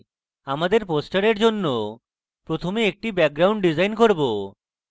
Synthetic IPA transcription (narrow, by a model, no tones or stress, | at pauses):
amad̪eɾposʈaɾeɾd͡ʑonːo | pɾot̪ʰomeek̚ʈibɛk̚ɡɾawɳɖɖid͡ʑajnkoɾbo